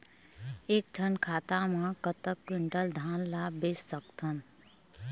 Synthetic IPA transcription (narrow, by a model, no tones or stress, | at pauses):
eːk̚d͡ʒʰʱənkʰaːt̪amãkət̪əkːwɪɳʈəld̪ʱaːnlabeːsːəkt̪ʰən